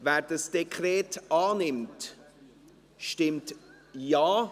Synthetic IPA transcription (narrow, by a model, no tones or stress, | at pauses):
væːɾdɑsd̥ekʰɾɛːtaːnɪmt | ʃtɪmt | jaː